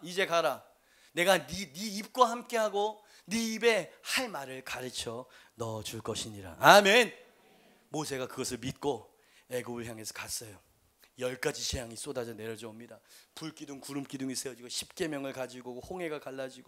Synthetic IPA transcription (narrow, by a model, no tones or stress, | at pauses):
id͡ʑe̞kaɾa | ne̞ɡaniniːp̚k͈wahamk͈e̞ɦaɡo | niːbe̞haɭmaɾɯɭkaɾɯt͡ɕʰʌnʌd͡ʑuɭk͈ʌɕʰiɲiɾa̰amen | mosʰe̞ɡakɯɡʌsʰɯɭmit̚k͈o | eɡubɯɦjaŋe̞sʰʌ̥kas͈ʌjo | jʌɭk͈ad͡ʑiɕʰejaŋis͈odad͡ʑʌne̞ɾjʌd͡ʑʌʌmɲidapuɭk͈idɯŋkuɾɯmk͈iduŋis͈ʰeʌd͡ʑiɡʌɕʰi̥p̚k͈e̞mjʌŋɯɭkad͡ʑiɡohoŋɦe̞ɡakaɭːad͡ʑiɡo